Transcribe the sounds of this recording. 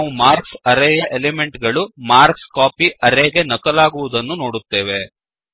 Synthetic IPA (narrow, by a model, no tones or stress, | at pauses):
aːʋumaːɾksɐɾɛːjɐʔeleme̞ɳʈɡɐɭumaːɾkskaːpiʔɐɾeːɡe̞nɐkɐlaːɡuʋud̪ɐnːuno̞ːɽut̪ːe̞ːʋe̞